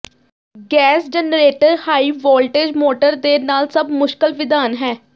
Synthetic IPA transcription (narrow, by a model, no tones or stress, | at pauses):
ɡɛːsd͡ʒɛnɾeːʈəɾhaːiːʋɔːlʈeːd͡ʒmoːʈəɾd̪eːnaːlsəbmʊʃkəlʋɪd̪aːnɦɛː